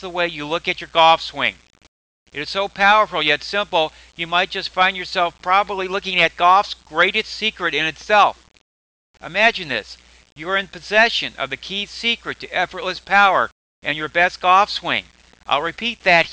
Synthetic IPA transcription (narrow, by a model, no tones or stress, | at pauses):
ðəweɪjɨlʊkɨt͡ʃə˞ɡɔfswɪ̰̃ŋ | ɨɾɨz̥soʊpʰaʊə˞fl̩ˠjɛtsɪ̃mpl̩ˠ | jɨmaɪt̚d̥ʒ̥ʌstfãɪ̃njə˞sɛlˠfpʰɹ̥ɑbəblilʊkɪ̃ŋɨt̚ɡ̥ɔfsɡ̥ɹeɪɾɨstsikɹɨɾɨ̃nɨtsɛlˠf | ʔɨmæd͡ʒɨ̃nðɪ̰s | jɨə˞ɨ̃npʰɨzɛʃɨ̃nʌ̰vðɨkʰisikɹɨtʰɨʔɛfə˞tˡlɨspʰaʊə̰˞ | ʔɨ̃njə˞bɛst̚ɡ̥ɔfswɪ̰̃ŋ | ʔa̰ɪlˠɹɨpʰit̪̚ðɨt̚